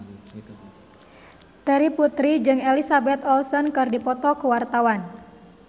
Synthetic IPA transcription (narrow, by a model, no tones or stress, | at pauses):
t̪aɾiput̪ɾid͡ʒɨŋelisabɛt̪ɔlsɔnkɨrdipɔt̪ɔkuwart̪awan